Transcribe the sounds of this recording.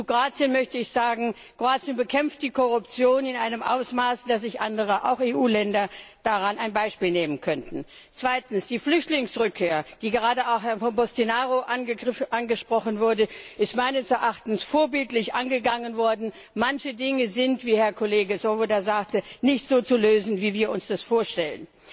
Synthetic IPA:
t͡suɡʁaːt͡sjənmœçtəɪçz̥aːɡŋ̩ | ɡ̥ʁ̥oaːt͡sjənbəkʰɛmft̚d̥iːkʰɔʁʊpt͡sjoːnɪnʔaɪnəmʔa̰ʊsmaːsd̥as̬z̥ɪçʔandəʁ̞əʔa̰ʊxeːʔuːlɛndɐd̥aʁanaɪnbaɪʃpiːlneːmənkʰœntn̩ | t͡sv̥aɪtn̩sd̥iːflʏçtlɪŋsʁʏkʰːeːɐd̥iːɡəʁaːdəaʊxhɛɐnfɔnbɔstinaːʁoʔanʔanɡəʃpʁ̥ɔχənvʊɐdəʔɪstmaɪnəsɛɐʔaχtn̩sfoːɐbɪltlɪçʔanɡəɡaŋənvɔɐdn̩ | mançədɪŋəzɪntv̥iːhɛɐkʰɔleːɡəsovodazaːk̚tənɪçtz̥oːt͡suløːzn̩viːviːɐʊnsd̥asfoːɐʃtɛlə̰n

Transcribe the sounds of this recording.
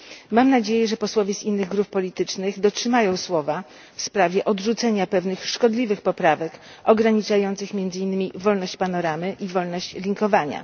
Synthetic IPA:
mamnad͡ʑejɛʐɛpɔswɔvʲjɛzinːɘɣɡɾuppːɔlʲit̪ɘt͡ʂnɘɣd̪ɔtʂɘmajɔ̃w̃swɔva | fspɾavʲjɛʔɔdʐut̪sɛɲapɛvnɘxʂkɔd̪lʲivɘxpɔpɾavɛk | ɔɡɾaɲit͡ʂajɔnt̪sɘxmʲjɛnd̪zɘinːɘmʲivɔlnɔɕt͡ɕpanɔɾamɘʔivɔlnɔɕt͡ɕlʲiŋkɔvaɲa̰

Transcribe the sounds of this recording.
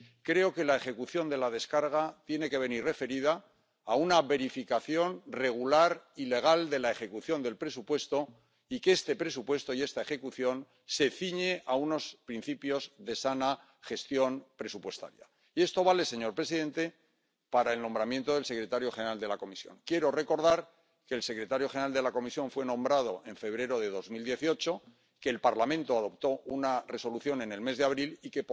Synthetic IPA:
kɾe̞o̞ke̞lae̞xe̞kuθjo̞nd̪e̞lað̞e̞skaɾɣat̪je̞ne̞ke̞βe̞nirre̞fe̞ɾiðaː | unaβe̞ɾifikaθjo̞nre̞ɣ̞ulaɾile̞ɣ̞ald̪e̞lae̞xe̞kuθjo̞nd̪e̞lpɾe̞supwe̞st̪o̞ | ikeest̪e̞pɾe̞supwe̞st̪o̞ie̞st̪ae̞xe̞kuθjo̞n | se̞θiɲeauno̞spɾin̟θipjo̞zðe̞sana | χe̞st̪jo̞npɾe̞supwe̞st̪a̰ɾja̰ | ie̞st̪o̞β̞ale̞se̞ɲo̞ɾpɾe̞siðe̞nt̪e̞ | paɾaelnombɾamjẽ̞nt̪o̞ð̞e̞lse̞kɾe̞t̪aɾjo̞xenɾald̪e̞lako̞misjo̞̰ŋkje̞ɾo̞re̞ko̞ɾðaɾ | ke̞ːlse̞kɾe̞t̪aɾjo̞xenɾald̪e̞lako̞misjõ̞ɱfwe̞nõ̞mbɾað̞o̞ʔe̞ɱfe̞β̞ɾe̞ɾo̞ðe̞ðo̞zmild̪je̞θio̞t͡ʃo̞ | ke̞ːlpaɾlamẽ̞nt̪oaðo̞pt̪o̞unare̞so̞luθjone̞ne̞lme̞zðeaβɾilike̞p

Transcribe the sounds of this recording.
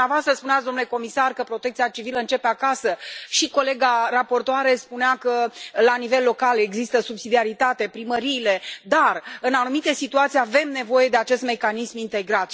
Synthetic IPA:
eavoast̪ɾəspuneat̪d̪o̞mnule̞ko̞misarkəpɾo̞t̪ekt̪sijat͡ʃiviləɨnt͡ʃe̞peakasəʃiko̞le̞ɡarapo̞rt̪oaɾespuneakəlanive̞lːo̞kale̞ɡzist̪əsubsid̪iaɾit̪at̪e̞pɾiməɾiːle̞d̪arɨnanumit̪e̞sit̪uat̪siave̞mne̞vo̞je̞d̪e̞at͡ʃe̞st̪me̞kanismint̪e̞ɡɾat̪

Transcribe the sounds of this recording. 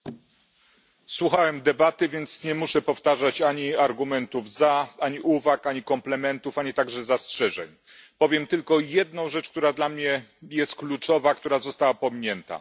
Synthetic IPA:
swuxawɛmd̪ɛbat̪ɘvʲjɛnt̪sɲɛmuʂɛpɔft̪aʐat͡ɕaɲiaɾɡumɛnt̪uvzaaɲiʔuvakaɲikɔmplɛmɛnt̪ufaɲit̪aɡʐɛzastʂɛʐɛɲ | pɔvʲjɛmt̪ɘlkɔjɛd̪̚nɔ̃w̃ʐɛt͡ʂk̚t̪uɾad̪lamɲɛjɛst̪̚klut͡ʂɔvak̚t̪uɾazɔst̪awapɔmɲɛnt̪a̰

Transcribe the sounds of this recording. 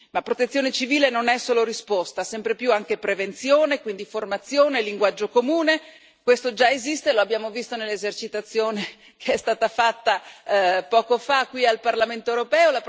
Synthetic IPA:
mapːɾot̪et̪sːjoːnet͡ʃiviːlenonɛsːoːloɾispost̪asɛmpɾepjuaŋkepɾevent̪sjoːnekwind̪iformat̪sjoːneliŋɡwad͡ʒːokomuːne | kwest̪od͡ʒaezist̪eloabːjaːmovist̪onelːezert͡ʃit̪at̪sːjoːne | kʰeɛst̪aːt̪afat̪ːa | pɔːkofakːwialparlament̪oewɾopɛːola

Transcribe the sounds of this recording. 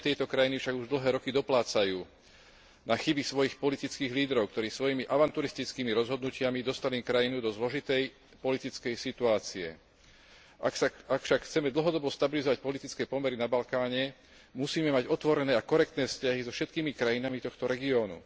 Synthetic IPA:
t̪ɛjt̪ɔkɾajinifʃaɡuʒd̪l̩ɦɛːɾɔkid̪ɔplaːt͡sajuː | naxibisʋɔjixpɔlit̪it͡skiːɣliːd̪ɾɔʊkt̪ɔɾiːsʋɔjimiʔaʋant̪uɾist̪it͡skiːmiɾɔzɦɔd̪nucɪamid̪ɔst̪aliːkɾajinud̪ɔzlɔʒit̪ɛj | pɔlit̪it͡skɛjsit̪uaːt͡siɛ̰ | ʔakaakfʃakxt͡sɛmɛd̪l̩ɦɔd̪ɔbɔst̪abilizɔʋac̚pɔlit̪it͡skɛːpɔmɛɾinabalkaːɲɛ | musiːmɛmaɟɔt̪ʋɔɾɛnɛːakɔɾɛkt̪nɛːfscaɦizɔfʃɛt̪kiːmikɾajinamit̪ɔxt̪ɔɾɛɡiɔːnṵ

